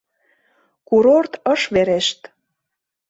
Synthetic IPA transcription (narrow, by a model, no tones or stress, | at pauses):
kuɾort̪ə̆ʃβeɾeʃt̪